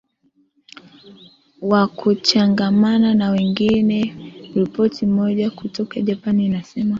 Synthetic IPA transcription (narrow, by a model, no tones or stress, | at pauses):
wakʰut͡ʃaŋɡamananawɛŋɡinɛɾipɔtim̩mɔʄakutɔkaʄapaninasɛma